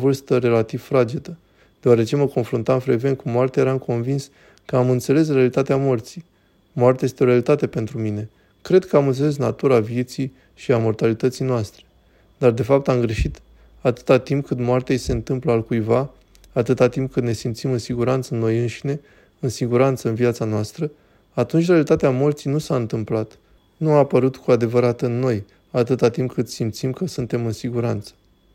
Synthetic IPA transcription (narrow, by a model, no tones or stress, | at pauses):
vɨrst̪əɾe̞lat̪iv̥fɾad͡ʒid̪ə | d̪̥e̞oaɾe̞t͡ʃe̞məko̞nfɾunt̪amfɾeɡve̞nkumoart̪eaje̞ɾamko̞nvins | kəamɨnt̪se̞le̞s̬realit̪at̪eamort̪sij | moart̪jaje̞st̪eo̞ɾealit̪at̪e̞pe̞nt̪ɾumine̞ | kɾe̞d̪̚kəamɨnt̪se̞le̞s̬nat̪uɾavije̞t̪sij | ʃiamo̞rt̪alit̪ət̪sijnoast̪ɾe̞̥ | d̪ard̪e̞fap̚t̪amɡɾe̞ʃit̪ | at̪ɨ̥t̪at̪imp̚kɨt̪moart̪eajse̞ɨnt̪ɨmpləalkujvaː | t̪ɨt̪at̪imp̚kɨt̪ne̞simt̪simɨnsiɡuɾant̪sənːo̞jɨnʃine̞ | ɨnsiɡuɾant̪səɨnviat̪sanoast̪ɾə | at̪unt͡ʃʲrealit̪at̪eamort̪sijnusaɨnt̪ɨmplat̪ | nuaːpəɾut̪kuad̪e̞vəɾat̪ɨnːo̞j | at̪ɨt̪at̪impkɨt̪simt̪simkəsunt̪e̞mɨnsiɡuɾant̪sə̥